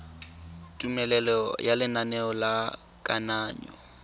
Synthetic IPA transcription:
tʼumɛlɛlɔjʔalɪnanɛɔla | kʼanaːɲɔ̰

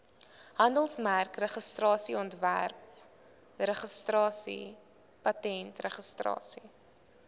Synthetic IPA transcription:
ɦɐndəlˠsmærkrəχəstrɑːsiɔntvæ̰rp | rəχəstrɑːsḭ | pɐtɛntrəχəstrɑ̰ːsi

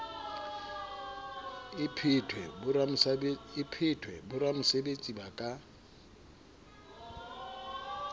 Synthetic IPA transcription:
ɪpʰɪtʰwɛra | ɪpʰɪtʰwɛ̰bʊɾamʊsebet͡sʼibakʼa

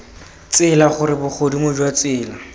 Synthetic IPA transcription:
t͡sɪlaχʊɾɪbʊk͡xʰodimʊd͡ʒwat͡sɪːla

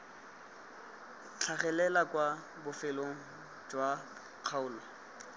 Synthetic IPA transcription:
t͡ɬʰaχɛlɛlakwa | bʊfɪloŋ̩ | d͡ʒwa | q͡χʰaʊːlɔ

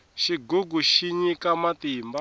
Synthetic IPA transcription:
ʃiɡuɡuʃiɲikamat̪imba

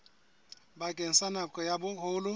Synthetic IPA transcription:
ɓaɡ̥ʱʼen̩sanakʼɔjaɓʊhʰʊːlʊ

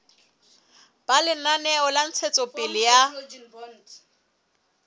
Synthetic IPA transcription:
b̥alɪnanɛɔlan̩t͡sʰɛt͡sʼɔpʼɪlɪja

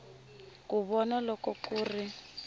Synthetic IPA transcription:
kuβɔnalɔkɔkuːri

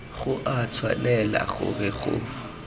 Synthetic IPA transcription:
ɣʊʔat͡sʰwalɛla̰ɣʊ̰bɛɣʊ

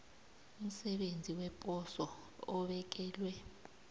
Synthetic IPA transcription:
um̩sɛɓend͡zʱiwɛpʼɔsɔː | ɓɛk̬ʼɛːlwɛ

